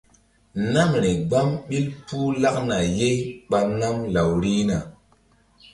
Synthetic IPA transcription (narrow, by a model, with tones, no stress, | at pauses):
na˦mɾi˨ɡ͡ba˦mɓi˦lpuː˦la˦k̚na˨je˦jɓa˨na˦mla˨wɾi˦na˨